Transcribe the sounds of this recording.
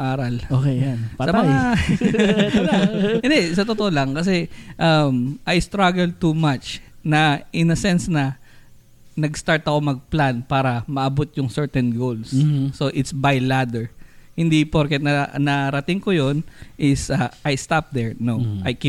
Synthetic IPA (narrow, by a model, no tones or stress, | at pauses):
ʔaːɾɐlokesɐmɐa | ɪnd̪ɛsɐt̪ot̪oʔolɐŋkɐs̬ɛʔamʔajst̪ɾaɡɛl̚t̪umat͡ʃnɐʔɪnɐsɛnsnɐ | nɐɡst̪aɹt̪ɐko̞mɐɡ̚planpaːɾɐmɐʔɐbot̪̚jʊŋsɛɹt̪ɛnɡowlsːo̞ʔɪt̪sbajlad̪ɛɹhɪnd̪ipoɹkɛt̪̚nɐnɐɾɐt̪ɪŋkojonʔɪsɐʔajst̪ap̚d̪ɛɹnoʔajk